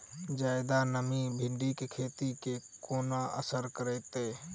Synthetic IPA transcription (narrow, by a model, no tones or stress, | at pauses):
d͡ʒajd̪anəmibʱiɳɖikekʰet̪itkekonaʔə̰səɾkəɾəjt̪e